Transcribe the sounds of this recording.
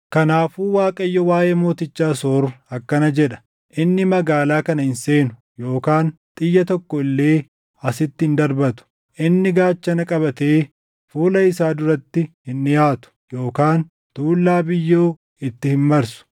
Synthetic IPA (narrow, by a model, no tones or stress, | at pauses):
kɐnaːfuːwaːkʼɐjːɔwaːjeːmo̞ːt̪ɪt͡ʃːaːsoːɾʊɐkːɐnɐd͡ʒɛᶑɐ̥ | ʔɪnːɪmɐɡaːlaːkɐnɐhɪnse̞ːnʊ̥ | jo̞ːkaːnt̪ʼɪjːɐt̪ɔkːɔɪlːe̞ː | ɐsɪt̪ːɪɪnd̪ɐɾbɐt̪ʊ̥ | ʔɪnːɪɡaːt͡ʃːɐnɐkʼɐβɐt̪eː | fuːlɐɪsaːd̪ʊɾɐt̪ːɪhɪnːɪjaːt̪ʊ̥joːkaːn | t̪uːlːaːbɪjːoː | ɪt̪ːɪhɪmmɐɾsʊ̥